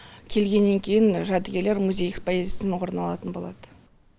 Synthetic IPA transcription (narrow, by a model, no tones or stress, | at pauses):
kʲʰe̞lɡʲe̞nːe̞ŋkʲʰe̞jɪnʒæd̪ɪɡʲe̞ɾle̞ɾmuzʲejekspoezʲijasɪnwo̞ɾnɑlˠɑ̰t̪ənbo̞lˠɑd̪ə